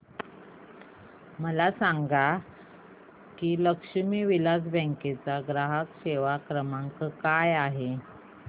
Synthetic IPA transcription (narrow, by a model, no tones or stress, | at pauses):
məlasaŋɡa | kiːləkʂəmiːʋilad͡zbə̃ŋket͡saɡɾaɦəkɕeʋakɾəmãŋkəkajaɦe